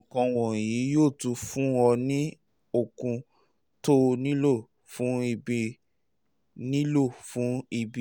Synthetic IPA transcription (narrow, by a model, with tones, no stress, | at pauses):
ɔ̃˨kɔ̃˧w̃ɔ̃˨ji˨˦joː˦˨tũ˧fũ˦ɔ˧nĩ˦ | o˨kũ˧ | to˦nĩ˦lo˦˨ | fũ˨˦i˧bi˧ | nĩ˦lo˦˨fũ˨˦i˧bi˧